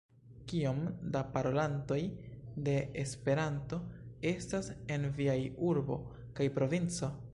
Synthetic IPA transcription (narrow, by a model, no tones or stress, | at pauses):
kiomdapaɾo̞lanto̞jde̞espe̞ɾanto̞e̞stase̞nviajuɾbo̞̰ | kajpɾo̞vint͡so̞